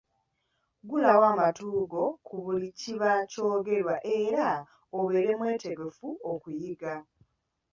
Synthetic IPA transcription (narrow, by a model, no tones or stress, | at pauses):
ɡulawaːmatuːɡo̞kʰuβuliciβaco̞ːɡe̞ɾwaʔe̞ɾa | oβe̞ːɾe̞mwe̞ːte̞ɡe̞fuokujiɡa